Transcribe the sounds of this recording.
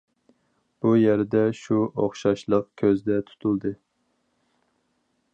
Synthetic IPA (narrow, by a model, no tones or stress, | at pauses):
b̥ujæɾd̪ɛʃuʔoχʃɑʃlˠəqkʲʰøzd̪ɛt̪ʰu̥t̪ʰulˠd̪ɨ